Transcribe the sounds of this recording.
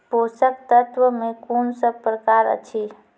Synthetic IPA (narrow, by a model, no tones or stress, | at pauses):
posəkt̪ət̪ʋəmekonsəb̚pɾəkaɾə̰t͡ʃʰi